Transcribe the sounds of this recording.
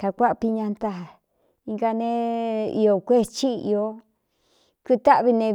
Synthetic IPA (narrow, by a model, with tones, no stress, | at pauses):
ka˨kʷa˦ʔpi˧ɲã˧nt̪a˧a˨ | i˧ŋɡa˧nẽ˦ḭ˧o˨kʷe˦t͡ʃi˦˧ḭ˧o˧˦ | ku˦t̪a˦ʔβi˧nẽ˧